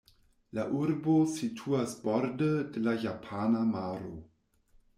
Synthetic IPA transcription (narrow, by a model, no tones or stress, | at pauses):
laʔuɾbositʰuasbɔɾdədelajapʰanamaːɾo̰